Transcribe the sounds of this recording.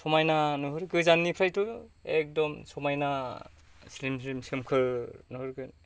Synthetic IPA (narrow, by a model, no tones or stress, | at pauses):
sɔmajnanɯɦɯɾɡɯzanːipʰɾajtuek̚dɔmsɔmajna | slimsɾimsɯmkʰɯnɯhɯɾɡɯn